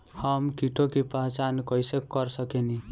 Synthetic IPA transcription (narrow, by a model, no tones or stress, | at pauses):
həmkiʈʰokipaɦt͡ʃankɔjsekːəɾsəkeni